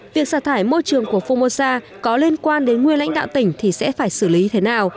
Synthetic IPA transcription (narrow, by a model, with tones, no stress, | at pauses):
vi˨˩ək̚saː˧˩t̪ʰaː˧˩jmo˧jt͡ɕɨ˨˩əŋku˧˩əfo˧mo˧saː˧ | kɔ˨˦li˧ənkwaː˧nɗe˨˦nŋwi˧nla̰˧˥ŋ̟ɗa̰ː˧˨t̪ï˧˩ŋ̟t̪ʰi˨˩sɛ̰˧˥faː˧˩jsɨ˧˩li˨˦t̪ʰe˨˦naː˨˩w